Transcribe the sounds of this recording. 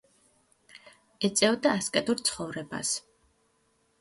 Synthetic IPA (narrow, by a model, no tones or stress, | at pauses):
ɛt̪sʼɛvd̪aːskʼɛt̪ʼuɾt̪sʰχɔvɾɛba̰s